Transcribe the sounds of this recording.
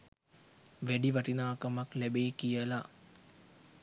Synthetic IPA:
ʋæɖiʋɐʈinaːkamɐklæbeːkijəla

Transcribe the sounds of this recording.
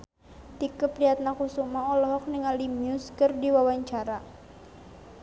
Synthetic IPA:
t̪ikəpɾiat̪̚nakusumaɔlɔɦɔk̚niŋaldimiʊskərdiwawaɲt͡ʃaɾa

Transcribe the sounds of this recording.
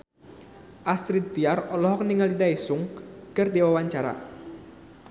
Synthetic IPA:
ʔast̪ɾit̪̚d̪iarɔlɔɦɔk̚niŋalidaisʊŋkərdiwawaɲt͡ʃaɾa̰

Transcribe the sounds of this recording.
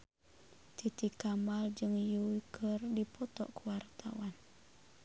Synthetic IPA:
t̪it̪ikamald͡ʒɨŋjuwikʰərdipɔt̪ɔ̰ʔkuwart̪ʰawan

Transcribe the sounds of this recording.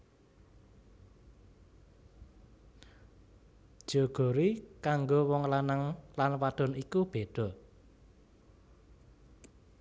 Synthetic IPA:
d̥ʒ̥o̤ɡ̥o̤ɾikaŋɡowɔŋlanaŋlanwad̥ɔ̤nikub̥ed̥ɔ̤

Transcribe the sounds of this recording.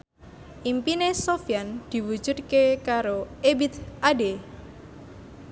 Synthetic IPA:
ʔimpinesofjand̪̥i̤wud̥ʒ̥ud̪̚kekaɾoebit̪ʔade

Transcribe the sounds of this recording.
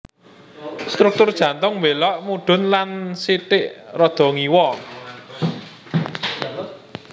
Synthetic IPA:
st̪ɾuk̚t̪ʊrd̥ʒ̥ä̤nt̪ʊŋmbelɔʔmuɖ̪̥ʊ̤nlansiʈɪʔrɔd̪̥ɔ̤ŋiwɔ

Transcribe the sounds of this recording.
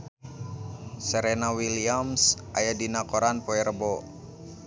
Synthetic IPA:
sɛɾɛnawiliamsʔajadinakɔɾanpɔɛɾəbɔ

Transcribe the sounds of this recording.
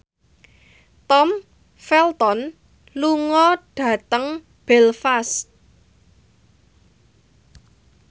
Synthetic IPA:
t̪ɔm | fɛlt̪ɔn | luŋɔɖ̥ä̤t̪əŋ | b̥ɛlfast̪

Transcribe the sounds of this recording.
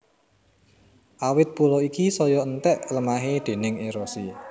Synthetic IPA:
ʔawɪt̪̚pulɔikisɔjɔənt̪ɛʔləmaɦed̪̥e̤nɪŋeɾosi

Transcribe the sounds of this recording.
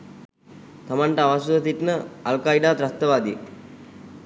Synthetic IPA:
t̪amaɳʈəaʋasud̪ət̪iʈnəalkaiɖaːd̪ɾat̪ːəʋaːd̪ijə

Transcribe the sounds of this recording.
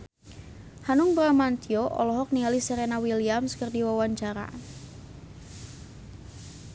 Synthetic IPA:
hanʊŋbɾamant̪ioʔɔ̰lɔɦɔk̚nialisɛɾenawiliamskərdiwawaɲt͡ʃaɾa̰

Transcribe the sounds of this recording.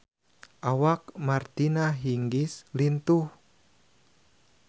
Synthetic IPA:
ʔawak̚mart̪inaɦiŋɡɪslint̪uh

